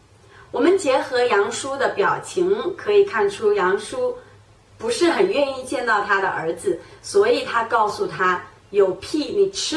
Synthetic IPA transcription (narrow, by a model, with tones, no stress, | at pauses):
wɔ˨˩mə˦nt͡ɕjɛ˧˥xɤ˧˥jɑ˧˥ŋʂu˥d̪ə˨pjɑ˨˩ʊt͡ɕʰi˧˥ŋkʰɤ˧˥i˨˩kʰa˥˩nʈ͡ʂʰu˥jɑ˧˥ŋʂu˥ | pu˧˥ʂɻ̩˥˩xə˨˩nɥɛ˥˧ni˥˧t͡ɕjɛ˥˧nt̪ɑ˥˩ʊt̪ʰa˥d̪ə̰˨ʔə˞˧˥d͡zɹ̩˧swɔ˧˥i˨˩t̪ʰa˥kɑ˥˩ʊsu˨˩t̪ʰa˥ | jo˨˩ʊpʰi˥˩ni˨˩ʈ͡ʂ̩ʰ˥